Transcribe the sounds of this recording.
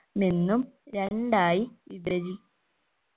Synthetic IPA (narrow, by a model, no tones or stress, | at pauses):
minːumɾeɳɖaːjiiðɐɾi